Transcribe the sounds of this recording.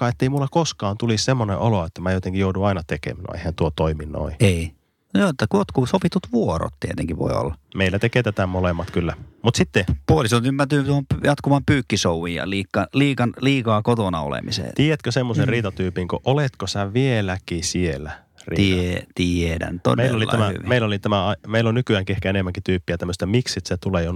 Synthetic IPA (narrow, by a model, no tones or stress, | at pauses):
ɑːet̪ːeimulːɑkoskɑːnt̪ulissemːonḛʔoloet̪ːæmæːjot̪eŋkijouduɑinɑt̪ekḛmæno̰ḛihænt̪uot̪oiminno̰iei | joːet̪ːækuot̪kuːsopit̪ut̪ʋuoɾo̰t̪t̪iet̪ḛŋkiʋʋo̰io̰lːɑmeilːæt̪ekeːt̪æt̪æmolemːɑt̪kylːæmut̪sit̪ːepuolisont̪ymːæt̪yːt̪uohompjɑt̪kuʋɑmpyːkːisouʋiːjjɑ̰liːkːɑliːkɑnliːkɑːkot̪onɑo̰lḛmḭsḛiejæt̪køsemːoserriːt̪ɑt̪yːpiŋkoʔolet̪kosæʋielækisielːˑæ | rḭt̪iet̪iedæ̰nt̪ːo̰nmeilːolil̰ææmæhy̰ʋimeilːolit̪æmæɑimeilːonnykyæːŋkiehkæenemːæŋkit̪yːpːiæt̪æmːøst̪æmiksit̪set̪uleːjon